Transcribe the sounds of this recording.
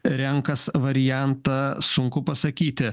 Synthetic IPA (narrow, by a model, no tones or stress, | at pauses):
ɾʲɛŋkɐsʋɐɾʲɪjænt̪ɐsʊŋkʊpɐsɐkʲiːt̪ʲɪ